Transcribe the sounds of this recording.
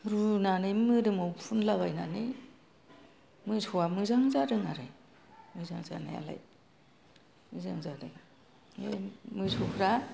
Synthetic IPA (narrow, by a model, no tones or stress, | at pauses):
ɾunanɯmɯdɯmowpʰunlaβajnanɯ | mɯsʰuwamɯzaŋzaɾɯŋaɾaj | mɯzaŋza̰na̰ja̰la̰j | mɯzaŋzadɯŋ | ejmɯsʰukʰɾa